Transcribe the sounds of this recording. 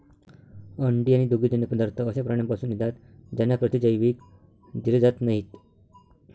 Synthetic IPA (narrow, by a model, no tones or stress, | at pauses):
əɳɖiaɽ̃id̪oɡid͡ʑənjəpəd̪aɾt̪ʰəːsapɾaɳ̃ampasuːnːid̪ʱat̪ | d͡ʑanːapɾət̪id͡ʑəjʋiːk | d̪iɾed͡zat̪naɦit̪